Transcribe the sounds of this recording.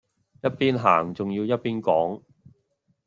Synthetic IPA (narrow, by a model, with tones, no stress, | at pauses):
jɐ˥t̚piː˥nɦa̰ː˨˩ŋt͡sʊ˨ŋjiː˧wjɐ˥t̚piː˥nkɔː˨˥ŋ